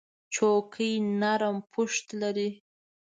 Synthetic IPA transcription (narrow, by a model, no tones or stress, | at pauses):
t͡ʃokʰəjnaɾəmpʰʊʂt̪laɾi